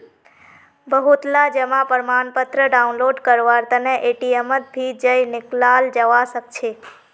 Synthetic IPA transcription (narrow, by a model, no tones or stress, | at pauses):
bəɦut̪lad͡ʒəmãpəɾmanpət̪ɾəɖaunloɖkəɾʋaɾt̪əneʔeʈiemət̪̚bʱid͡ʒəjnɪklald͡ʒəʋasək̚t͡ʃʰe